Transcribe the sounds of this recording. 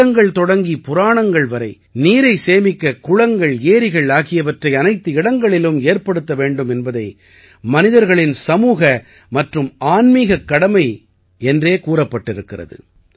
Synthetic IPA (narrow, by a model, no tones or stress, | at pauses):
ɐŋɡɐɭt̪ɔɽɐŋɡipʊɾaːɳɐŋɡɐɭʋɐɾɐɪ | niːɾɐɪseːmɪkːɐkʊɻɐŋɡɐɭeːɾɪɣɐɭaːɣɪjɐʋɐʈrɐɪɐnɐɪt̪ːɯɪɽɐŋɡɐɭɪlɯmeːɾpɐɽɯt̪ːɐʋeːɳɖɯmɛnbɐðɐɪ | mɐnɪðɐɾɣɐɭɪnsɐmuːɣɐ | mɐʈrɯmaːnmiːɣɐkːɐɽɐmɐɪ | ɛndreːkuːɾɐpːɐʈːɪɾɯkːɪrɐ̰ðɯ̰